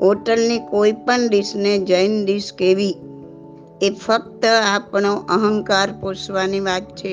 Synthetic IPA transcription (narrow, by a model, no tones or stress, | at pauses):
oʈəlnikoipəɳd̪iʃned͡ʒəind̪iskeʋi | efək̚t̪əapɳoʔəɦəŋkaɾposʋaniʋat̪̚t͡ʃʰe